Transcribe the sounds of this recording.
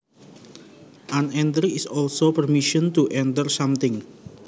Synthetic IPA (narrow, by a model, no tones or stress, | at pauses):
ʔanɛnt̪ɾiɪsɔlsopərmiʃənt̪uʔɛnt̪ərsamt̪ɪŋ